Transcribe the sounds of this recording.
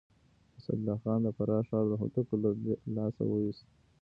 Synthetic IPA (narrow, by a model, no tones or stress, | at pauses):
əsa̰d̪lɑxɑnd̪əfaɾɑʂɑləɦʊ̰ʈ̪əkolalɑsa̰wəwist̪